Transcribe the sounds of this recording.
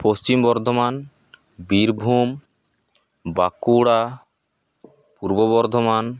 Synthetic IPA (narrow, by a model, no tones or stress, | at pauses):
post͡ʃimbɔɾd̪ʱɔman | biɾbʱum | bakuɽa | puɾboβɔɾd̪ʱɔman